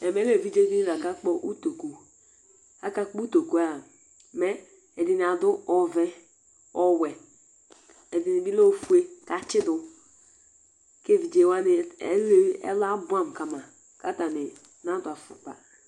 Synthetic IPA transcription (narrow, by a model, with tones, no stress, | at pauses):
ɛ˨me˦le˦˨vi˦d͡ʒe˦di˦ɾa˨ka˦k͡pɔ˦ʔu˦to˨ku˨ | a˦ka˦k͡pu˦to˨ku˦a˨ | mɛ˦ | ɛ˨di˨n˨a˨dʊ˦ɔ˦vɛ˦ | ɔ˦wɛ˨ | ɛ˨di˨ni˨bi˦lo˦˨fu˦e˦ka˨t͡ʃɪ˦dʊ˨ | ke˦˨vi˨d͡ʒe˨wa˦n˦le˦ḛ˦la˦bu˦a˦˨m˨ka˨ma˨ | ka˦ta˨nɪ˨ | na˦da˨fṵ˨k͡pa̰˨